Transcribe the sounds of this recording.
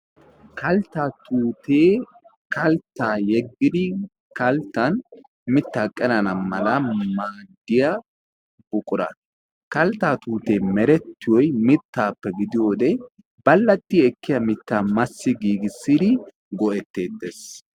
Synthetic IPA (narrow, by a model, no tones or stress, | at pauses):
kɐlt̪ːat̪uːt̪eː | kɐlt̪ːaːjɛɡːɪd̪ɪ | kɐlt̪ːɐn | mɪt̪ːaːkʼːɛnɐnɐmɐlɐmaːɡːɪja | b̥ʊkʼʊɾɐ̰ | kɐlt̪ːaːt̪uːt̪e̞ːmɛɾɛt̪ːɪjɔjmɪt̪ːaːpːɛɡɪd̪ɪjo̞ːd̪ɛ | b̥ɐlːɐt̪ːɪɛkːɪjɐmɪt̪ːaːmɐsːɪɡiːɡɪsːɪd̪ɪ | ɡɔʔɛt̪ːe̞ːt̪ːeːs